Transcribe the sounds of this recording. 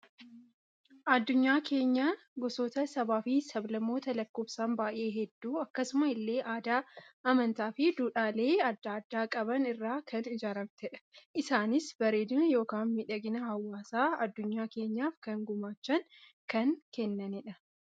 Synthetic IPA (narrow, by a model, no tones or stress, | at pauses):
ʔɐd̪ːʊɲːaːke̞ːɲːaː | ɡɔsoːt̪ɐsɐbaːfiːsɐblɐmːo̞ːt̪ɐlɐkːoːbsaːmbaːʔe̞ːɦɛd̪ːuːɐkːɐsʊmɐɪlːe̞ːʔaːd̪aːɐmɐnt̪aːfɪd̪uːᶑaːle̞ːɐd̪ːaːd̪ːaːkʼɐbɐnɪrːaːkɐnɪd͡ʒaːɾɐbt̪ɛᶑʔɪsaːnɪsbɐɾe̞ːd̪ʊnjo̞ːkaːnmɪᶑɐɡɪnɐhɐwːaːsaːɐd̪ːʊɲːaːke̞ːɲːaːfkɐŋɡʊmaːt͡ʃːɐŋ | kɐŋkɛnːɐniᶑɐ